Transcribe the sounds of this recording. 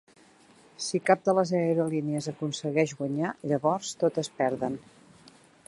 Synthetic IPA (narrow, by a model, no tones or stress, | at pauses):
sikap̚d̪ələzɛɾuliniəzəkunsəɣɛʒɣwəɲaʎəβɔrst̪ot̪əspɛɾðən